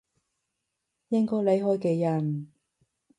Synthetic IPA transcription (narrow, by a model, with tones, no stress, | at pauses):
jɪ˥ŋkɔː˥jle˨˥jɦɔː˥jkeː˧jɐ˨˩n